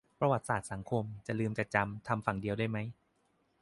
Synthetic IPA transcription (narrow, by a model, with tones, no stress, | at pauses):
pɾa˧wa˨˩t̪̚saː˨˩t̪̚sa˩˦ŋkʰo˧mt͡ɕa˨˩lɯː˧mt͡ɕa˨˩t͡ɕa˧mt̪ʰa˧mfa˨˩ŋdi˧əwdaː˥˩jma˦˥j